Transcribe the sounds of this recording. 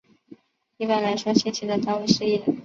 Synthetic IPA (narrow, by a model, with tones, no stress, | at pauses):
i˥pə˥˩nla˧˥ɪʂwɔ˥ɕɛ˥t͡ɕʰi˥˩d̪ə˨t̪ɑ˥˧ʊwi˧˩ʂɻ̩˥˧i˥˩lə˨˧˦n